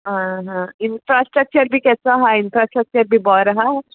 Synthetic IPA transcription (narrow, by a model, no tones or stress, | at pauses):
ɦãɦãɪnfɾasʈɾək̚t͡ʃəɾbʱikɛsãɦãɪnfɾasʈɾək̚t͡ʃəɾbʱibɔɾɦa